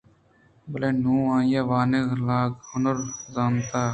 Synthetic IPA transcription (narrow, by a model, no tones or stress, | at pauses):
bəleːnũːãːjaːʋaːneɡlaːɡhʊnəɾzaːnt̪aː